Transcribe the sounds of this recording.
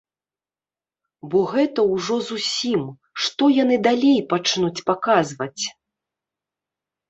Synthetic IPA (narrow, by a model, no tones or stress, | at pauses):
bɔɣɛt̪ɐwʐɔzusʲim | ʂt̪ɔjanɨd̪alʲejpat͡ʂnut͡sʲpakazvɐt͡sʲ